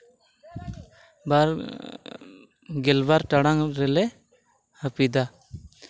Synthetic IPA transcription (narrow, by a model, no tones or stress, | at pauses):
baɾ | ɡɛlbaɾʈaɽaŋɾɛlɛ | həpid̪a